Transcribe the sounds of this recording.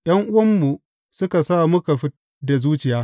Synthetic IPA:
j̰ɐ˦ŋʔʊ˦wɐ˦mːu˨ | sʊ˦ka˨saː˦˨mʊ˦ka˨ɸi˦da˨zuː˦t͡ʃɪ˨jaː˦

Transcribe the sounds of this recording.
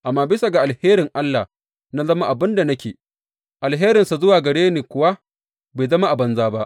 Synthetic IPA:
ʔa˨mːaː˦bɪ˦sa˨ɡa˨ʔa˨lheː˦ɾɪ˨ŋʔa˦lːa̰˨ | na˦zɐ˦ma˦ʔa˨bɪ˦nda˨nɐ˦kʲeː˨ | ʔa˨lɦeː˦ɾɪ˨nsa˨zʊ˦waː˨ɡɐ˨ɽeː˦niː˨kʷʊ˦wa˦ | be˨zɐ˦ma˦ʔa˨bɐ˦nzaː˦ba˦ʔ

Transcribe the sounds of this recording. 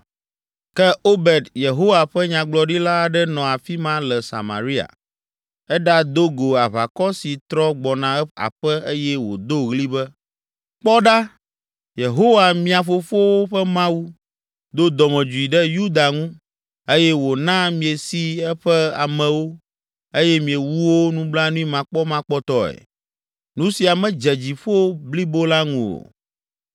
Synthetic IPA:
kɛ˦o˦bɛ˨d̪je˨ɦo˦wa˨ɸɛ˦ɲã˨ɡ͡blɔ˨ɖi˦la˦˨ɖɛ˦nɔ̃˨a˨fi˦mã˦lɛ˨sa̰˨ma̰˨ɾi˦a̰˨ | ɛ˦ɖa˦d̪o˦ɡo˨a˨βa̰˨kɔ˦si˨t̪ɾɔ˦ɡ͡bɔ˨nã˨˦a̰˨ɸɛ˦e˦jɛ˦wo̰˨d̪o˦ɣli˦bɛ˦ | k͡pɔ˦ɖa˦ | je˨ɦo˦wa˨mĩ˦a˨fo˨fo˦wo˦ɸɛ˦mã˦wu˦ | d̪o˦d̪ɔ˨mɛ̃˨d͡ʒu˨i˨ɖɛ˦ju˦d̪a˨ŋũ˦ | e˦jɛ˦wo˨nã˦mĩ˨e˨si˦ɛ˦ɸɛ˦a̰˨mɛ̃˨wo˦ | e˦jɛ˦mĩ˨e˨wu˦wo˦nũ˦bla˦nũ˦i˦mã˨k͡pɔ˦mã˦k͡pɔ˦t̪ɔ˦ɛ̰˨ | nũ˦si˨a˨mɛ̃˦d͡ʒɛ˨d͡ʑi˨ɸo˦bli˦bo˦la˦ŋũ˦o̰˨

